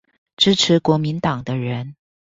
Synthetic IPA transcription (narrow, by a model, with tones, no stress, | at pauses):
ʈ͡ʂɻ̩˥ʈ͡ʂʰɻ̩˧˥kwɔ˧˥mi˧˥nt̪ɑ˨˩ŋd̪ə˦ɻə˧˥n